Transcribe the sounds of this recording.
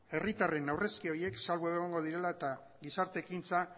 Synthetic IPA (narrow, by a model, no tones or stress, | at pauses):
e̞rit̪are̞nawre̞skio̞ɾie̞ksalβoe̞ɣ̞o̞ŋɡo̞ð̞iɾe̞lae̞t̪a | ɣisaɾt̪e̞kint͡sa